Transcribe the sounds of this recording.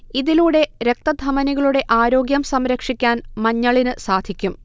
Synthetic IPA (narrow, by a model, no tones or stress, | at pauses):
iðiluɽe̞ɾe̞k̚t̪ɐd̪ʱɐmɐniɣɐɭuɽe̞ʔaːɾo̞ːɡjɐmsɐmɾɐkʂikʲːaːnmɐɲːɐɭinɨsaːd̪ʱikʲːum